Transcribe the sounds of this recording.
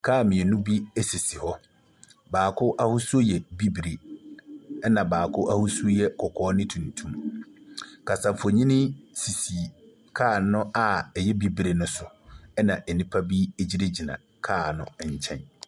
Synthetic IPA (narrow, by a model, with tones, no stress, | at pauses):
kʰaː˦˨mɪ̃˨ɛ˨nũ˦bi˦ɛ˦si˨si˨hɔ˦ | baː˨kʰʊ˦ʔa˦hʊ˦su˦o˦jɛ˨bi˦bi˨ɾe˨ | ɛ˦nã˨baː˨kʰʊ˦ʔa˦hʊ˦sjɛ˨kʰɔ˨kʰɔː˦nɪ̃˦tʰũ˨n˨tʰũ˦m | kʰa˨sã˨fo˨ɲĩ˦nɪ̃˦si˨si˨ | kʰaː˦˨nʊ̃˦ʔa˨ɛ˨jɛ˦bi˦bɾe˨nʊ̃˦sʊ˨ | ɛ˦nã˨ʔɛ˨nĩ˦pʰa˦bi˦e˦˨d͡ʑi˦ɾe˦d͡ʑi˨nã̰˨ | kʰaː˦˨nʊ̃˦˨ɲ̩˨t͡ɕʰɛ̰̃˦n